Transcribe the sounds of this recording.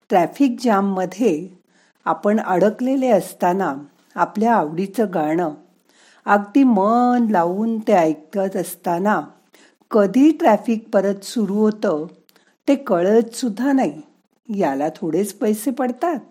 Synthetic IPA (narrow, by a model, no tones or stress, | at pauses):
ʈɾæfiːk̚d͡ʑamːəd̪ʱje | apəɳəɽəkleleəst̪ana | apljaːʋɽit͡səɡʱaɳ̃ə | aɡt̪imənlaʋuːnt̪eəjk̚t̪at̪əst̪ana | kəd̪ʱiːʈɾæfiːk̚pəɾət̪suɾuɦot̪ə | t̪ekəɭət͡ssud̪ʱːanai | jalat̪ʰoɽet͡spəjsepəɽt̪at̪̚